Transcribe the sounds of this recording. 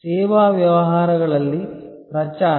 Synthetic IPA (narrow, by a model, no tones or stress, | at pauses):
seːʋaːʋjɐʋɐɦaːɾɐɡɐɭɐlːi | pɾɐt͡ʃaː